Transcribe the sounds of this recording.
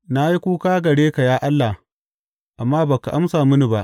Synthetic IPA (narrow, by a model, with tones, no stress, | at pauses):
na˦ji˦kʷuː˦kaː˦ɡɐ˨ɽeː˦ka˨jaː˦ʔa˦lːa˨ | ʔa˨mːaː˦ba˨ka˨ʔa˦msaː˨mʊ˦ni˨ba˦ʔ